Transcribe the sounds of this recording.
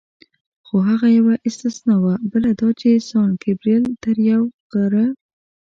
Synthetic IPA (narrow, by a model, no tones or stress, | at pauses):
xoɦaɣajawaʔɪst̪ɪsnawabəlad̪ɑt͡ʃesɑnkɪbɾilt̪əɾjawɡ̥aɾə